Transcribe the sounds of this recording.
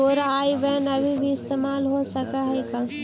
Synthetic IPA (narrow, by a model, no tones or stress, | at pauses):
oːɾaaːibənɐbʱibʱiɪst̪eːmaːlɦosɐkaɦeka